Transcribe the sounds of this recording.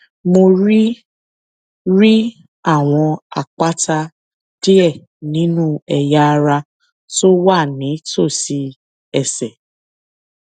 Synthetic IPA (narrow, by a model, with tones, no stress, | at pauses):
mo˧ɾi˦ | ɾi˦ | a˦˨w̃ɔ̃˧a̰˨k͡pa˦tʰa˧ | ti˦ɛ˦˨ | nĩ˨˦nũ˦ɛ˨ja˦˧ɾa˧ | to˦wa˦˨nĩ˨˦to˦˨si˨˦ | ɛ˦˨sɛ˨